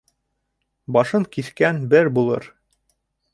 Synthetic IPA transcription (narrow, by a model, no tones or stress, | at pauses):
bɑʃɤŋkiθkænbɘɾbulˠɤ̰ɾ